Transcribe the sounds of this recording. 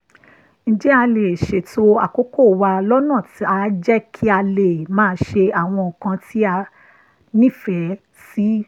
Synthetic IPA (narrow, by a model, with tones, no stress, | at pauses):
ñ̩˨d͡ʒɛ˦a˧le˨ʃe˨to˧a̰˨ko˨˦ko˦˨wa˧lɔ˦nãː˦˨ti˨˦a˦˧d͡ʒɛ˦kʰi˦a˧le˨mãː˦˧˦ʃe˧a˨w̃ɔ̃˧˨kã˧ti˦a˧ | nĩ˦˨fɛ˨˦ | si˦